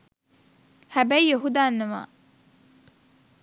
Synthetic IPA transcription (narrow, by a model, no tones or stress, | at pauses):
hæbæjoɦud̪aːnːɐma̰ː